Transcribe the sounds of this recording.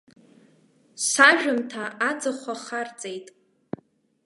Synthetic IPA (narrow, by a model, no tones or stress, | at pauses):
saʒᶣʊmtʰaad͡zaχʷaχart͡sʼejtʼ